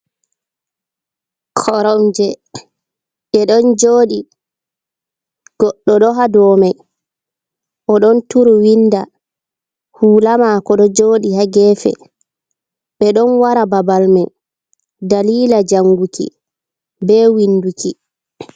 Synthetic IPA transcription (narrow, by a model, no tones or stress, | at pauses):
kʰɔɾɔmd͡ʒɛ | ɓɛɗɔnd͡ʒoːɗi | ɡ̥ɔɗːɔɗɔɦadɔːmaj | ʔɔɗɔntuɾuwinːda | huːlamakɔɗɔd͡ʒoːɗihaɡɛːfɛ̰ | ɓɛɗɔnwaɾababalmaj | daliːlad͡ʒaŋɡukḭ | bɛːwinːdukʰi